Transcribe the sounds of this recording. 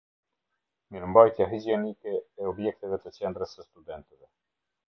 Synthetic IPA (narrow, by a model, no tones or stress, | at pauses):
ɲəɾmbajt̪jaɦid͡ʑiɛnikɛɛɔbjɛk̚t̪ɛvɛt̪ət͡ɕɛnd̪ɾəsəst̪ud̪ɛnt̪ɛvɛ